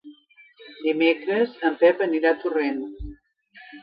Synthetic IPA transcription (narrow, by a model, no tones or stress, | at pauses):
d̪imekɾəsəmpɛpəniɾat̪uren